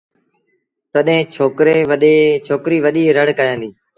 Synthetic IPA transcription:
t̪əɗɦẽːt͡ʃʰoːkɾeːʋəɗet͡ʃʰoːkɾiːʋəɗiːɾəɽ̤kaːjãːnd̪iː

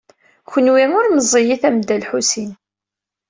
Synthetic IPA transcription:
çənwiŋʊɾməzˤːijiθæmd̪ælħusin

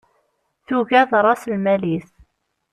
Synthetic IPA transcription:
θuʝæðɾˤɑslmæliθ

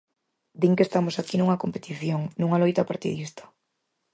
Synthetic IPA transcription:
d̪iŋkest̪amosakinuŋɐkompet̪iθjoŋnũŋalojt̪apaɾt̪ḭðist̪ḁ

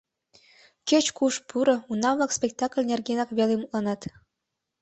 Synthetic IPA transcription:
kʲet͡ɕkuʃpʰuɾɤ̆unɑβlɑkspʲek̚t̪ɑklʲnʲerɡenɑkβelemut̪lˠɑnɑt̪

